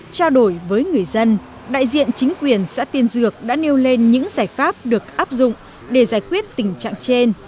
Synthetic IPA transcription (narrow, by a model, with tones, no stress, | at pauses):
t͡ɕaː˧wɗo˧˩jvəː˨˦jŋɨ˨˩əjzə˧n | ɗa̰ː˧˨jzḭ˧˨ənt͡ɕï˨˦ŋ̟kwi˨˩ənsa̰ː˧˥t̪i˧ənzɨ˨˩ək̚ɗa̰ː˧˥ne˧wle˧nɲɨ̰˧˥ŋzaː˧˩jfaː˦˥p̚ɗɨ˨˩ək̚ʔaː˦˥p̚zʊ̰˧˨ŋ͡m | ɗe˧˩zaː˧˩jkwi˦˥ət̚t̪ï˨˩ŋ̟t͡ɕa̰ː˧˨ŋt͡ɕe˧n